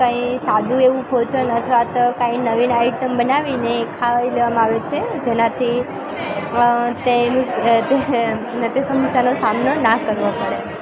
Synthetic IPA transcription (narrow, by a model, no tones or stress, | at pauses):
kə̃ĩsad̪ʱũeʋũpʰot͡ʃənət̪ʰʋat̪okãĩnəʋinaiʈəmbənaʋinekʰaileʋamãaʋet͡ʃʰed͡ʒenãt̪ʰi | t̪eũt̪e | nət̪isəməsjanosamnonakəɾʋopəɽe